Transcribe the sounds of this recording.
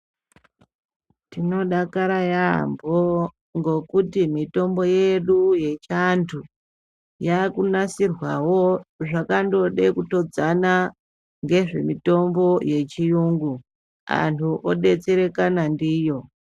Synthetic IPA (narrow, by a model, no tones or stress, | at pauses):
tino̞ɗakaɾajambo | ŋɡo̞kutimito̞mbo̞je̞ɗuje̞t͡ʃantʰu | jakunasirwawoʐakando̞ɗe̞kuto̞d͡zana | ŋɡe̞ʐe̞̰mito̞mbo̞je̞t͡ʃijuŋɡu | a̰ntʰuʔoɗe̞t͡seɾe̞kanandiːjo̞